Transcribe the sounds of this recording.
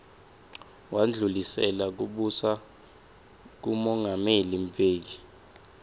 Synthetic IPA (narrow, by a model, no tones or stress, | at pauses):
wʔand͡ɮʱulisɛlak̬uɓusa | k̬umɔŋɡʱamelimpʰʼeːk̬i